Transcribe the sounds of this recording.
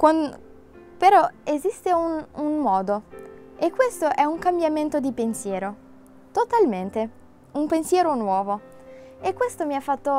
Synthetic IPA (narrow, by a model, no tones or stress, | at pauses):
kwan | peɾɔezist̪eununmɔːd̪o | ekːwest̪oʔɛuŋkambjament̪od̪ipensjɛːɾo | t̪ot̪alment̪e | umpensjɛːɾonwɔːvo | ekːwest̪omiafːat̪ːo